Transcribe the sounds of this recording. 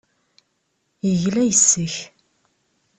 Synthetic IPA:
jəʝlæjəsːəç

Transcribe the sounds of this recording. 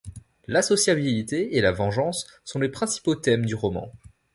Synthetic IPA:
lasɔsjabilit̪eːlavɑ̃ʒɑ̃sːɔ̃lepχɛ̃si̥pot̪ɛmd̪yʁɔmɑ̰̃

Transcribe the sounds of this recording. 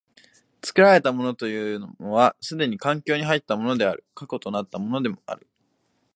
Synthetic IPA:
t͡sɨ̥kɯ̟ɾaɾe̞t̪amo̞no̞t̪o̞jɯ̟ːnomoβasɨd̪e̞ɲ̟ikãŋkʲo̞ːɲ̟iɦait̪ːamo̞no̞d̪e̞a̰ɾɯ̟kako̞t̪o̞nat̪ːamo̞no̞d̪e̞mo̞a̰ɾɯ̟

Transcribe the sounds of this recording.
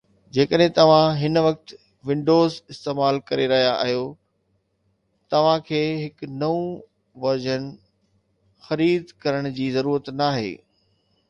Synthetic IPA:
d͡ʑeːkəɗɦɪ̃t̪ɐʋ̤ãɦɪnʋɐk̚t̪ | ʋɪ̃ɳɖoːzɪst̪eːmaːlkɐɾeɾɐɦijaʔːɦijo | t̪ɐʋ̤ãkʰeːɦɪknɐũ | ʋɐɾd͡ʑənɪ̆ | xɐɾiːd̪kɐɾəɽ̃d͡ʑiːzɐɾuːɾət̪naːɦḛː

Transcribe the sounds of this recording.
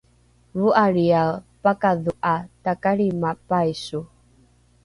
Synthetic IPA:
vuaɾiawpakaðuʔatakaɾimapajsu

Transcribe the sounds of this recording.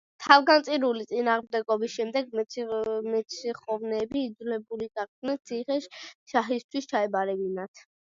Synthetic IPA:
t̪ʰavɡant̪sʼiɾulit̪sʼinaːʁmd̪ɛɡɔbisʃɛmd̪ɛɡ | mɛt̪sʰiχɔvnɛːbiːd̪zulɛbuliɡaqʼd̪nɛnt̪sʰiχɛʃʃaχist̪ʰwist͡ʃʰaɛbaɾɛbinat̪ʰ

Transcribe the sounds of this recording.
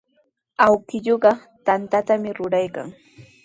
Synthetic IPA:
awkɪʎoɢɑ | t̪ant̪at̪amɪɾʊɾajka̰ŋ

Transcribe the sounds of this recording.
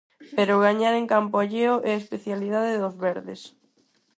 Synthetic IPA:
peɾʊɣ̞aɲaɾeŋkampoaʎeoʔeespeθjaliðaðeðozβɛɾðes

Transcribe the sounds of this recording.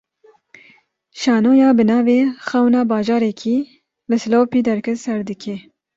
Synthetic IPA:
ʃɑːnoːjɑːbɨnɑːveːxɛwnɑːbɑːʒɑːɾɛkʰiː | lɨsɨloːpiːd̪ɛɾkʰɛt̪sɛɾd̪ɨkʰeː

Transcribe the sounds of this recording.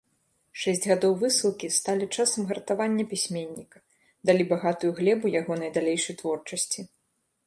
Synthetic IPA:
ʂɛsʲd͡zʲɣad̪ɔwvɨsɨlˠkʲist̪alʲit͡ʂasɐmɣɐɾt̪avanʲːɐpʲisʲmʲenʲːikɐ | d̪alʲibaɣat̪ujuɣlʲɛbujaɣɔnɐjd̪alʲejʂɐjt̪vɔrt͡ʂɐsʲt͡sʲi

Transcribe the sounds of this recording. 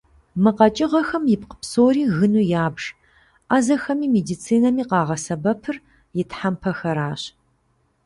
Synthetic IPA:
mɨqɐt͡ʃʼɪʁɐxɐmjɪp̚qə̥psoːɾiːɣɨnuːjaːbʒ̥ | ʔaːzɐxɐmiːmedit͡sʰiːnɐmiːqɑːʁɐsɐbɐpʰɨr | jɪtħampʰɐxɐɾaːɕ

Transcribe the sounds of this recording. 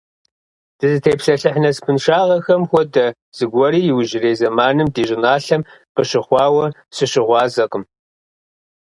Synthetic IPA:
d̥ɨzɨtʰeːpɬɐɬɨħnɐspʰɨnʂaːʁɐxɐmxʷɔdɐ | z̥ɨɡʷɔɾiːjɪwʒɪreːzɐmaːnɨmdiːɕʼɪnaːɬɐmqəɕɪχʷɑːwɐsɨɕɪʁʷɑːzɐqəm

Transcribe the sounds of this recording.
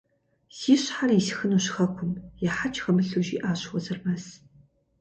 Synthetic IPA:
siːɕħarisxɨnuːɕxɐkʷʰʊmjɛħat͡ʃʰxɐmɨɬuʒiːʔaːɕxʷɔzɐrmɐs

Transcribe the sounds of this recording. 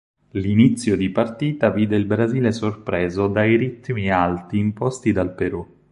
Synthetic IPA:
linit̪sːjod̪ipart̪iːt̪aviːd̪eilbɾaziːlesorpɾɛːzod̪ajɾit̪ːmialt̪iːmpɔst̪id̪alpeɾu

